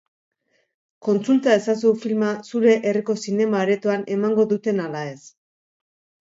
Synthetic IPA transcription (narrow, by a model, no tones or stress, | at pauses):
ko̞nt͡sult̪ae̞sas̬ufilmasuɾe̞ʔeriko̞sine̞maːɾe̞t̪uane̞maŋɡo̞ðut̪e̞nalae̞s